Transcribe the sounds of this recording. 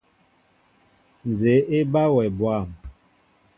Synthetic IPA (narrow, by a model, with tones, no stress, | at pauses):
n˨ze˨˦ʔe˦ba˦wɛ˨bwa˦˨m